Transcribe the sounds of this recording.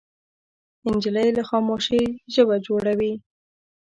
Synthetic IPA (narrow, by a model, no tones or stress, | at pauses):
ɪnd͡ʒɪləjlaxɑmoʃəjʒəbad͡ʒoɽawi